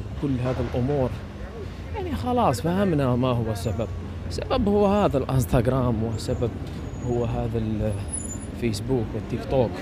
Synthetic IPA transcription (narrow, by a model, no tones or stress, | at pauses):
kʊlːɦaːðalʔʊmuːɾ | jaʕnixɑlɑːsˤfahɪmnamahʊwːasabab | sababhʊwːhaːðalʔɪ̰nst̪aɡɾˤaːmwɪsabab̚ | hʊwːɦaːðal | feːsbuːkwɪt̪ːɪkt̪oːk